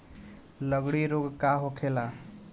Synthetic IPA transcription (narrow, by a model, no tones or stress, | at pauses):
ləɡɽiɾoɡkaɦokʰela